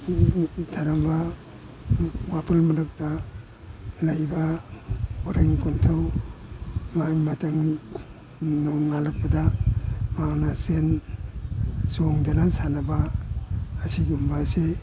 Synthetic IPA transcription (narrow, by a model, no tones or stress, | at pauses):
dʰaɾamba | wapʰalmɐɾɯk̚ta | lajba | oɾiŋkuntʰaw | majmatʰaŋ | nɔŋalak̚padamanasen | soŋdanasanɐbaː | siɡumbase